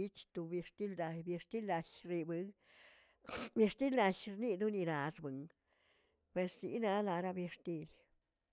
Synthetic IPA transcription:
i˦t͡ʃt̪u˧bje˧ʂt̪i˦ld̪a˧jbje˧ʂt̪i˦la˧ʃɾi˧bɨ˧˦ | bje˧ʂt̪i˦la˧ʃɾni˧d̪u˦ni˧ɾa˨sbɨ˨ŋ | pwe˧sːḭ˨˧˦na˧la˧ɾa˧be˧ʂt̪i˧l

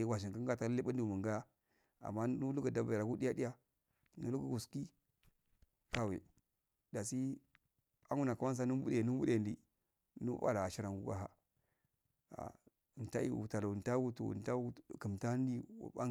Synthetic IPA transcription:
ɡʷa˨ʃ̬i˨ka˦ŋɡa˦˨ta˦li˦ɓa˦n˦di˨mu˨ŋɡa˦ja˦ | a̰˨mːa˦nu˦lu˦ɡa˨da˨ba˨ɾa˨ku˦di˦ja˦di˦ja˦ | nu˦lu˦ɡu˨ɡu˨ski˦ | ka˦wḛ˨ | da˨si˦ | a˦ŋu˦na˨ka˦wa˦ns̬a˦nu˦bṵ˦de˨nu˦bu˦de˦˨ndḭ˨ | nṵ˦a̰˦˨la˨a˨ʃi˦ɾa˨ŋɡṵ˦ɡa̰˦ɦa̰˦ | a̰˨ | n˨ta˦ḭ˨ṵ˨ta˨la˨n˨ta˦wu˦to̰˨n˨ta˦wu˦˨kə˨mta˦n˦dḭ˦˨a̰˦

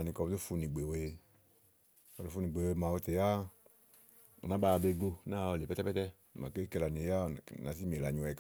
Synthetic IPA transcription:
a˨nĩ˨kɔ˧bde˦fu˧nĩ˨ɡ͡be˨we˦˧ | kɔ˧˨de˦fu˧nĩ˨ɡ͡be˨we˧˨mã˨wo˧t̪e˨ja˦˨ | nã˨˦ba˧be˧ɡ͡bo˧na˦˨o˧le˨pɛ˦tɛ˦pɛ˦t̪ɛ˦˨ | mã̰˨ke˦ke˧la˨nĩ˨ja˦˨na˨si˦me˨la˨ɲũ˨ɛ˨k

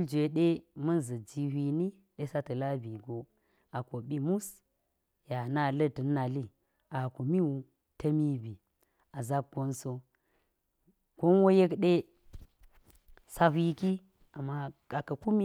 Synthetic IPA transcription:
ld͡ʒʷe˨ɗe˦mɐ˦n˨zɐ˨d͡ʒi˨hʷi˨ni˦ | ɗe˦sa˦tɐ˨la˦bi˨ɡo˨ | a˨ko˨ɓi˦mu˦s | ja˨na˦lɐ˦tɨ˨nːa˨li˦ | a˨ko˨mi˦wu˨ | tɐ˦mi˦bi˨ | a˨za˦b̚ɡ̥o˦nso˦ | ko˦n˦wo˦je˦kɗe˦ | sa˦ɦʷi˦ki˦ | a˨mːa˦a˨kɐ˨ku˦mi˦

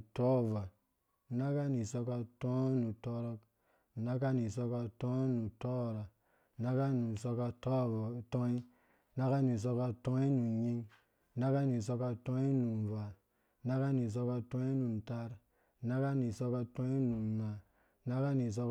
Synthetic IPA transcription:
to˦˨va˨ | na˦ka˦ni˨so˧ka˦to˦nu˨to˦ɾo˦k | na˦ka˦ni˨so˧ka˦to˦nu˨to˦˨ɾa˨ | na˦ka˦nu˨so˦ka˦˨to˦i˦ | na˦ka˦ni˨s̬o˦ka˦to˦i˦nu˨ɲi˦ŋ | na˦ka˦ni˨so˦ka˦to˦i˦nu˨n˨va˨ | na˦ka˦ni˨s̬o˧ka˦to˦i˦nu˨n˨ta˦ɾ | na˦ka˦ni˨so˦ka˦to˦i˦nu˨na˨ | na˦ka˦ni˨s̬o˦k

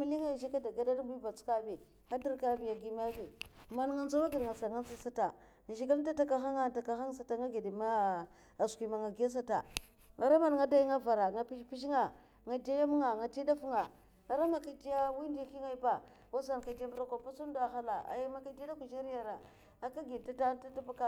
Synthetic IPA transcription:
mi˦li˦ŋa˦˨ʒi˦ka˦da˨ɡa˦da˦dbi˦ba˨t͡ska˦bi˨ | xa˦di˦ɾka˦bi˨ja˨ɡi˨ma˦bi˨ma˨nŋa˦nza˦wa˦ɡi˨dŋa˨sa˨ŋa˦nt͡si˦sa˦ta˨ | n˨ʃi˦ɡa˦lta˦ta˦ka˦xa˦ŋa˦˨ta˨ka˨xa˦ŋsa˨ta˨ŋa˦ɡi˨di˨ma˦˨ | ski˨ma˨ŋa˨ɡi˨˦a˦s̬a˦ta̰˨ | ŋa˨ɾa˦ma˨n˨ŋa˦da˦ji˦ŋa˦va˨ɾa˨ŋa˨pi˦ʃpi˦ʃ̬ŋa˨ | ŋa˨da˦ja˦m˦ŋa˨ŋa˨ti˦da˦fŋa˨ | ŋa˨ɾa˦ma˨ka˨di˦ja˦wi˦ndi˦ki˦ŋa˦i˦ba˨ | wa˦za˨n˨ka˨da˦mbu˦ɾa˦ka˨pa˦su˦n˦da˨xa˦la˨a̰˨ja˦ma˦ka˦di˦a˦da˦ku˨ʒa˦ɾi˦ja˨ɾa˨ | a˨ka˦ɡi˨a˦ta˦ta˦ta˦ba˦ka˦

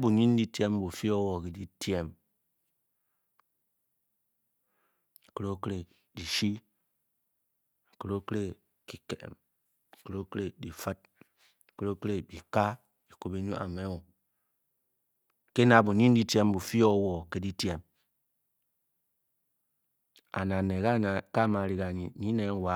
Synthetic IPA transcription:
bu˨ɲi˦n˦di˦tje˦m˦bu˨fi˦o˦wɔ˨ke˨di˦tje˦˨m˨ | ko˦ɾo˦ke˦ɾe˨ | di˨ʃi˦˨ | ko˨ɾo˦kɾe˨ | ki˨kḛ˨m̩˨ | kɾo˦kɾe˨di˨fa˦t̚ | kɾo˦kɾe˨bi˨ka˦ | i˨ko˨be˨˦ɲu˦ʔa̰˨me˦wo˨ | ke˦na˨bu˨ɲi˦n˦di˦te˦m˦bu˨fi˦o˦wɔ˨ke˦di˦te˨m | a̰˨na˨ne˨ka˦˨ka˦˨ma˨ɾi˨ka˨ɲi˨˦ɲi˦ne˨˦wa˨˦

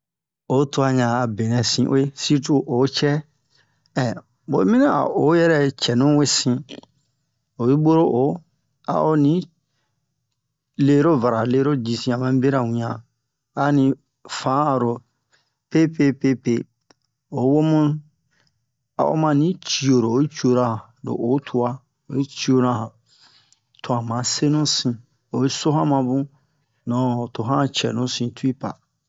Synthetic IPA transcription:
o˨˦to˦a˧ɲã˨a˨bẽ˨nɛ̃˨sĩ˦ʔo˦e˦si˦t̬u˦ʔo˨˦t͡ʃɛ˦ | ɛ˨ | bo̰˨˦mĩ˦nã˦˨a̰˨o˨˦jɛ˦ɾɛ˦t͡ʃɛ˨nũ˦we˦sĩ˧ | o˨bi˦bo˦ɾo˦ʔo˨˦ | a̰˨o˦nĩ˨˦ | le˦ɾo˦va˨ɾa˨le˦ɾo˦d͡ʒi˨sĩ˦ã˨mã˦be˦ɾa˨wĩ˨ã˨ | a˨˦nĩ˨ | fã˨˦˨ɾo˨ | pe˦pe˦pe˦pe˦ | o˨˦wo˦mũ˦ | a̰˨o̰˦mã˧nĩ˨˦t͡ʃi˦˨o˨ɾo˨o˨i˦t͡ʃu˦o˧ɾã˦hã˨ | do̰˨ʔo˨˦tʰu˦a˦ | o˨˦i˦t͡ʃi˦o˧ɾã˦hã˨ | tʰõ˨ã˨mã˨˦se˦nũ˦sĩ˧ | o˨i˦so˦hã˦mã˧bũ˦ | nɔ̃˨to˨ɦã˦t͡ʃɛ̰˨nũ˦sĩ˧tʰu˦i˦pa̰˨

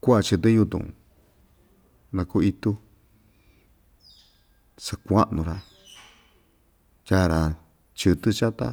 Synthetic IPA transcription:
kʷa˦a˧t͡ʃɨ˧t̪ɨ˦ju˧t̪ṵ̃˨ | nã˧ku˧i˧t̪u˦ | sa˧kʷa˦ʔnũ˧ɾa˧ | ja˦˧ɾa˧ | t͡ʃɨ˧t̪ɨ˦t͡ʃa˦t̪a̰˦

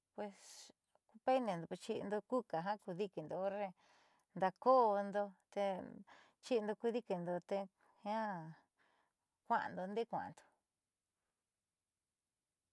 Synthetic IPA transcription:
pwe˧s | ku˧pe˦i˦nẽ˨nd̪o˨˧e˧t͡ʃi˧ʔnd̪o˧ku˦ka˨ɦã˦ku˧ði˧ki˨nd̪o˧o˦ɾe˧ | nd̪a˧ko˦˧nd̪o˧t̪e˧ | t͡ʃi˦˧nd̪o˧ku˧ði˦ki˧nd̪o˧t̪e˧ | hã˦ | kʷã˦ʔã̰˧nd̪o˧nd̪e˦kʷã̰˨ʔã̰˨nd̪o̥˨

